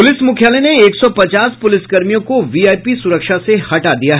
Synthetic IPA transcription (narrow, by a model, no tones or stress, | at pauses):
pʊlɪsmʊkʰjaːleneeːksɔpɐt͡ʃaːspʊlɪsɡɐɾmijõkoʋiaːjpisʊɾəkʃasehɐʈad̪ijaɦ